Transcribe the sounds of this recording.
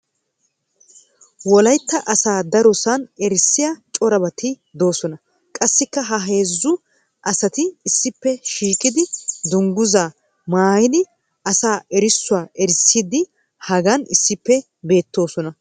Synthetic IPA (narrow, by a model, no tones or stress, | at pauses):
wɔlɐjt̪ːɐʔɐsaːd̪ɐɾɔsɐnɛɾsːɪjɐt͡ʃʼɔɾɐbɐt̪ɪ | d̪o̞ːsɔnɐ | kʼɐsːɪkːɐɦɐɦe̞ːzːʊ | ʔɐsɐt̪ɪːsːɪpːɛʃiːkʼːɪd̪ɪd̪ʊŋɡʊzaː | maːjɪd̪ɪ | ʔɐsaːɛɾɪsːʊaːʔɛɾsːiːd̪ɪ | hɐɡɐnɪsːɪpːɛ | be̞ːt̪ːo̞ːsɔnɐ